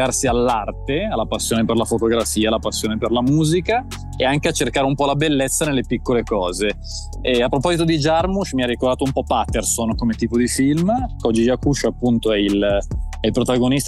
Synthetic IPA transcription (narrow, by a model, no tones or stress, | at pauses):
arsialːart̪ealːapasːjoːneperlafot̪oɡɾafiːalapasːjoːneperlamuːzika | eaŋkeat͡ʃːerkaːɾeumpɔlabelːet̪sːanelːepikːolekɔːze | ɛapːɾopɔzit̪od̪id͡ʒarmuʃmiarːikoɾrd̪aːt̪oumpɔpat̪ːersonkomet̪iːpod̪ifilmkɔd͡ʒːid͡ʒakuʃoapːunt̪oɛilɛilpɾot̪aɡonist̪